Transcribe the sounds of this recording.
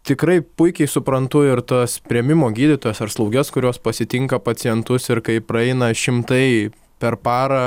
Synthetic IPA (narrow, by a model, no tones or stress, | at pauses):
t̪ʲɪkɾɐɪpʊɪkʲɛɪsʊpɾɐnt̪ʊɪɾt̪ospʲɾʲɛmʲɪmoːɡʲiːd̪ʲɪt̪oːjɛːsɐɾslˠɐʊɡʲɛskʊɾʲoːspɐsʲɪt̪ʲɪŋkɐpɐt͡s̪ʲɪjɛnt̪ʊsɪɾkɐɪpɾɐɛɪnɐʃʲɪmt̪ɐɪ | pʲɛɾpɑːɾɐː